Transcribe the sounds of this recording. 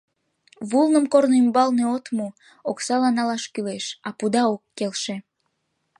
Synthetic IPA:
βulnəmkornimbɑlneot̪mu | oksɑlɑnɑlɑʃkyleʃɑpud̪ɑokːelʃe

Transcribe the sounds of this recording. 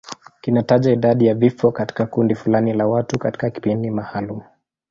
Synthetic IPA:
kinataʄaiɗaɗijavifɔkati̥kakundifulanilawatukati̥kaki̥pindimahalumu

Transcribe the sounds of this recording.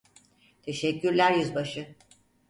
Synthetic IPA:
t̪ʰeʃɛcʰːyɾlʲæɾjyzbaʃɯ

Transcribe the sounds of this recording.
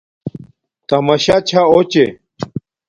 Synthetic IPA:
t̪ɐmɐɕat͡ɕʰaot͡ɕe

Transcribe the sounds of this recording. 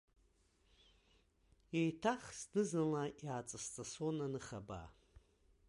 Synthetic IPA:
jejtʰaχsnɨznɨlajaːt͡sʼast͡sʼasonanɨχaba̰

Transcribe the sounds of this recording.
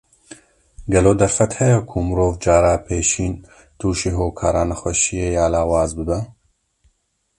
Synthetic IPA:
ɡɛloːd̪ɐɾfɛt̪hɛjɛkʰumɨɾoːvd͡ʒaːɾaːpʰeːʃiːn | t̪uːʃiːɦoːkʰaːɾaːnɐxwɛʃijeːjaːlaːwaːzbɨbɛ

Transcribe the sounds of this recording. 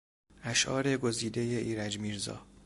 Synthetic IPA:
æʃʔɒːɾeɡo̞ziːd̪ejeʔiːɾæd͡ʒmiːɾzɒ̰ː

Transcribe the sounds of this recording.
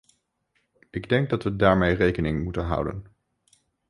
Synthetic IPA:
ɪɡdɛŋɡ̚dɑtʋədaːɹmejrejkənɪŋmutənɦʌ̰wdə̰n

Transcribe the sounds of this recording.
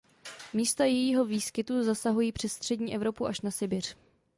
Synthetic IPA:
miːst̪ajɛjiːɦo̞viːskɪt̪uzasaɦujiːpr̝̥ɛsst̪r̝̥ɛdɲiːʔɛvɾo̞puʔaʃnasɪbɪr̝̥

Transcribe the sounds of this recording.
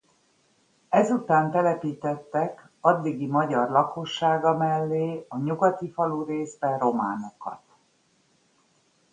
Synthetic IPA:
ɛzut̪aːnt̪ɛlɛpiːt̪ɛt̪ːɛk | ɒd̪ːiɡimɒɟɒrlɒko̞ʃːaːɡɒmɛlːeːɒɲuɡɒt̪ifɒluːreːzbɛro̞ma̰ːno̞kɒ̰t̪

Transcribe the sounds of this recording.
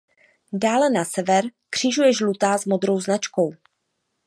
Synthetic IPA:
daːlɛnasɛvɛɾkr̝̥iʒujɛʒlut̪aːzmo̞d̪ɾo̞wznat͡ʃko̞w

